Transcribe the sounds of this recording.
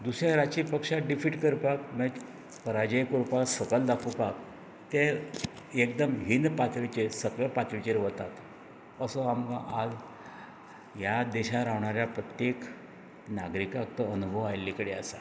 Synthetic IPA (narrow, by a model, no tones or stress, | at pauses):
d̪usjaɾat͡ɕipəkʂaɖifiʈkəɾpak̚məd͡ʑ | pəɾad͡ʑajkuɾpaksəkəld̪akʰupak | t̪eɾ | ek̚d̪əmɦind̪pat̪ʋit͡ɕesəkɭepat̪ɾit͡ɕeɾʋət̪at̪ | əsɔamɡaʔad͡z | jad̪ɛɕaɾaʋɳaɾjapɾət̪jek | naɡɾikak̚t̪əənubʱəʋajlːikəɽea̰sa